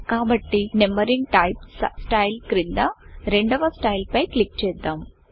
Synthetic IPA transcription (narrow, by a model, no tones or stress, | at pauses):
kaːbɐʈːinɛmɐɾiŋɡ̚ʈɐjp̚ssʈɐjlkɾind̪ɐɾeɳɖɐʋɐsʈɐjlpɐjklik̚t͡ʃejd̪aːm